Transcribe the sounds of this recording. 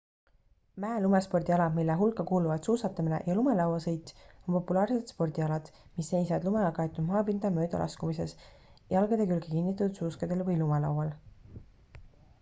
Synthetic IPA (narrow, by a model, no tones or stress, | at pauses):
mæelumespo̞rd̪̥ʲiɑlɑmilːeɦulkːɑkuːluvɑd̪̥suːsɑt̪ːˑɑminḛʔjɑlumelɑwɑsɤjt̪ʲːˑonpo̞pːulɑːrse̞t̪spo̞rd̪̥ʲiɑlɑd̪̥ | misːe̞jsɑd̪lumeɑkɑjet̪ːˑud̪̥mɑːpind̪̥ɑmø̞ːd̪ɑ̰lʔɑ̰skumise̞s | jɑlɡ̥ed̪̥ekylɡekinːit̪̬ːˑud̪̥suːskɑd̪̥e̞lvɤjlumelɑ̰wwɑl